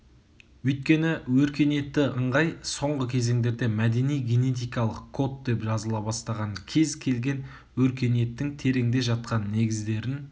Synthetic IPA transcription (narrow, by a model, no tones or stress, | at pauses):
wɵjt̪̚kʲe̞nɪwɵɾkʲe̞ne̞t̪ːɪʔəɴʁɑjso̞ɴʁəkʲʰe̞ze̞ŋd̪e̞ɾd̪e̞mæd̪e̞nijɡʲe̞ne̞t̪̬ijkɑlˠəqkʰːo̞t̪̚d̪e̞pʒɑzəlˠɑbɑst̪ɑʁɑŋkʲʰe̞zkʲʰe̞lɡʲe̞n | wɵɾkʲe̞ne̞t̪ːɪŋt̪ʰe̞ɾe̞ŋd̪e̞ʒɑt̪̚qɑnːe̞ɡʲɪzd̪e̞ɾɪn